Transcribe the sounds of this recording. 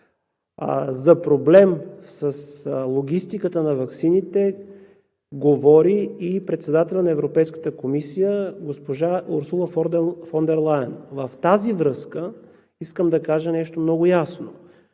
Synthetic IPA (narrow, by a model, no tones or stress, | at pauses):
zɐpɾoblɛmsəslˠoɡ̟ʲist̪ikət̪ənɐvɐksinit̪ɛ | ɡovɔɾiipɾɛt̪sɛd̪at̪ɛlʲənɐɛvɾopɛjskə̥t̪əkomisijəɡospoʒaoɾsulˠəffond̪ɛɾlˠajənvəft̪azivɾɤskə | iskəmd̪ɐkaʒənɛʃt̪omnɔɡʊjasno̰